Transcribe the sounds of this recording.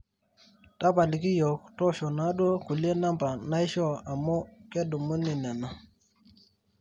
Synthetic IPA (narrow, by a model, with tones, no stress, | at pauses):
ta˦ba˨li˨ki˦jɔ˨ktɔ˦ʃɔ˨na˦do˦ku˨li˦e˦na˦mba˨na˦i˦ʃɔ˦a˨mo˦ke˦du˨mu˦ni˨na˨na˨